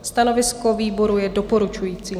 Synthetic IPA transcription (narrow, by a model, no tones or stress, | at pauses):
st̪anovɪskoviːbo̞ɾujɛdopo̞ɾut͡ʃujiːt͡siː